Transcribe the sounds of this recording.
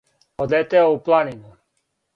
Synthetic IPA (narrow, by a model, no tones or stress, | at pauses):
od̪et̪eouplˠaninu